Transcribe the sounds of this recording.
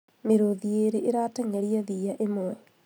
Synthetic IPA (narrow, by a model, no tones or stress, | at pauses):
meɾoðieɾeʔeɾatɛŋɛɾiɛðiːaʔemwɛ